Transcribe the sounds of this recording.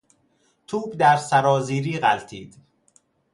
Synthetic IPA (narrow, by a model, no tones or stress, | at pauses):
t̪ʰuːbd̪æɾsæɾɒːziːɾiːɢælt̪ʰiːd̪̥